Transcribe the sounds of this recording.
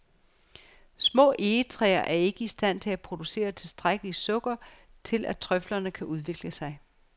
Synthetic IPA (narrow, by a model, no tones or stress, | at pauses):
smɔ̰̽ːʔe̝ːət͡sʰʁɛ̰ːɐʔæɐe̝ɡ̥əisd̥æn̰t͡sʰe̝læpʰʁo̝d̥use̝̰ːɐt͡sʰe̝lsd̥ʁaɡ̥əlisɔ̽ɡ̥ɐ | t͡sʰe̝lʔæt͡sʰʁœflɐnəkʰæʔuð̞ˠʋe̝ɡ̥ləsɑ̈ɪ